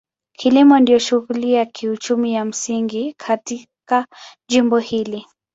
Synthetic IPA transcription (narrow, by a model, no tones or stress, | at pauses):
kʰilimɔndijɔʃuɣuliakʰiut͡ʃumijam̩siŋɡikʰatikaʄimbɔhili